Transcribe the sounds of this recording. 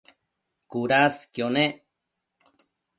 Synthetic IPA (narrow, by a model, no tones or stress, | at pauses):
kuɾaskjone